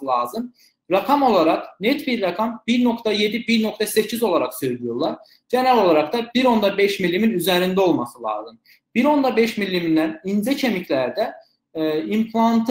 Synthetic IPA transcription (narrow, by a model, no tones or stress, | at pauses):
ɯlˠɑːzɯm | ɾakʰɑmo̞lˠaɾɑknet̪biɾːakʰɑmbiɾno̞kt̪ʰɑje̞d̪ibiɾno̞kt̪ʰɑsecʰizo̞lˠaɾaksø̞jlʲijoɾlˠɑɾ | ɟenælo̞lˠaɾɑkd̪ɑbiɾo̞nd̪ɑbeʃmilːiminyzæɾind̪æo̞lˠmɑsɯlˠɑ̰ːzɯm | b̥iɾo̞nd̪ɑbeʃmilʲːiminːæninzɛcʰe̞micʰlʲæɾd̪æ | impʰlˠant̪ʰ